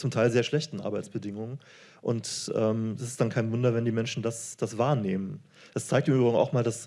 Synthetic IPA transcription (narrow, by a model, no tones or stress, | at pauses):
t͡sʊmtʰaɪlzeːɐʃlɛçtn̩ʔa̰ɐbaɪt͡sb̥ədɪŋʊŋən | ʔʊntʔɛːmɛsɪstd̥ankʰaɪnvʊndɐvɛndiːmɛnʃn̩dasd̥asv̥aːɐneːmən | d̥ast͡saɪk̚tɪmyːbʁɪɡŋ̩ʔa̰ʊxmaːldas